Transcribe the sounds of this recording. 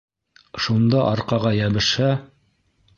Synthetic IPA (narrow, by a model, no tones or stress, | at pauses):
ʃund̪ɑʔɑɾqɑʁɑjæβɘ̆ʃæ